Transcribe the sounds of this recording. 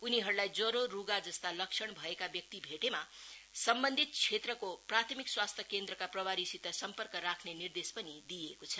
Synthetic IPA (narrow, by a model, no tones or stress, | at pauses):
uniɦʌɾulajd͡zʌɾoruɡad͡zʌst̪alʌksʰʌɽbʱʌekabjʌk̚t̪ibʱeʈemasʌmbʌnd̪ʱit̪̚t͡sʰet̪rʌkoprat̪ʰʌmikswast̪ʰjʌkend̪rʌkaprʌbaɾisit̪ʌsʌmpʌrkʌɾakʰnenird̪espʌnid̪ijekot͡sʰʌ